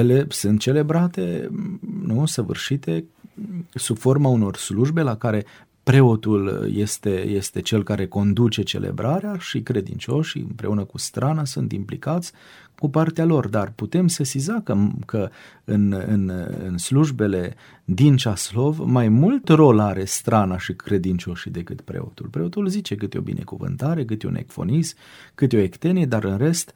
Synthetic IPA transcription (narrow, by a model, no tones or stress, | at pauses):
jele̞sɨnt̪̚t͡ʃe̞le̞bɾat̪e̞̰ | nusəvɨ̰rʃit̪e̞ | subfo̞rmauno̞rsluʒbe̞lakaɾe̞ | pɾe̞o̞t̪uljest̪e̞je̞st̪e̞t͡ʃe̞lkaɾe̞ko̞nd̪ut͡ʃe̞t͡ʃe̞̰lʔḛbɾʔaɾeaʃikɾe̞d̪ḭnt͡ʃo̞ʃḭɨ̰mpɾe̞̰unəkust̪ɾanasunt̪implikat̪sʲ | kupart̪ealo̞rd̪arput̪e̞msesizakəkə | ɨnɨ̰nɨ̰nsluʒbe̞le̞ | d̪int͡ʃaslo̞vmajmult̪ro̞laɾe̞st̪ɾanaʃikɾe̞d̪int͡ʃo̞ʃid̪e̞kɨt̪pɾe̞̰o̰t̪ulpɾe̞o̞t̪ulzit͡ʃe̞kɨt̪eo̞̰bḭnʔe̞̰kuvɨ̰nt̪aɾe̞k̬ɨt̪eṵnʔḛkfo̞̰nis | kɨt̪eo̞ekt̪e̞nied̪aɾɨnre̞st̪